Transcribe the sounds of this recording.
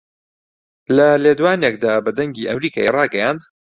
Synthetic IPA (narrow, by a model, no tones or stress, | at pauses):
lɐleːd̪waːnek̚d̪aːbɐd̪ɐŋɡiːʔɐ̰mɾiːkʰa̰ːjerˤɑːɡɐjaːnd̪